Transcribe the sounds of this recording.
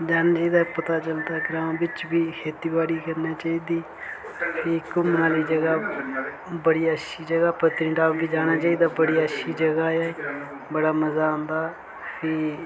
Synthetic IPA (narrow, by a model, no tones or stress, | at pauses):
d͡ʒaːnaːt͡ʃaːiːd̪aːpət̪aːt͡ʃəlt̪aːɡɾãːmbɪt͡ʃbiːheːt̪iːbaːɽiːkəɾneːt͡ʃaːiːd̪iː | pʰɪːkʊmnaːliːd͡ʒəɡaː | bəɽiːəʃiːd͡ʒəɡaːpət̪ɾĩːʈaːkid͡ʒaːnaːt͡ʃaːiːd̪aːbəɽiːəʃiːd͡ʒəɡaːaːe | bəɽaːməzaːõːnd̪aː | pʰiː